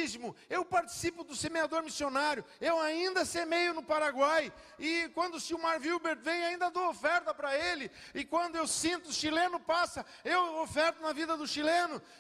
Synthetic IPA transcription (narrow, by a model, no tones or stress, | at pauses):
zmʊewpaɾt͡ʃi̥sipʊd̪ʊsemead̪oɾmisionaɾjʊ | ewaĩnd̪ɐsemejʊnʊpaɾaɡwaj | ɪkwɐ̃nd̪ʊsiwmaɾviwbeɾt̪vẽj̃aĩnd̪ɐd̪owofɛɾt̪ɐpɾɐelɪ | ɪkwɐ̃nd̪ʊewsĩnt̪ʊʃilẽnʊpasɐ | ewofɛɾt̪ʊnɐvid̪ɐd̪ʊʃilẽnʊ